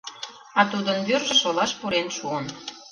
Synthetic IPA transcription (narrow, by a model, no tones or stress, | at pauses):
ɑt̪ud̪ənbyrʒə̆ʃolɑʃpuɾenʃuən